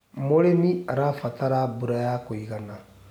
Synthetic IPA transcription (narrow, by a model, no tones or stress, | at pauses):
molemĩaɾafataɾabuɾajakoikana